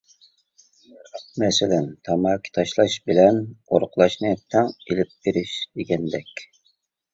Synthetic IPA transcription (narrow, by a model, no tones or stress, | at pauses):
q̚mɛsɪlɛnt̪ʰɑmɑːkʲʰi̥t̪ʰɑʃlˠɑʃbɪlɛnoɾqlˠɑʃnɨt̪ʰɛŋelɪp̚beɾɪʃd̪eɡʲɛnd̪ɛkʲ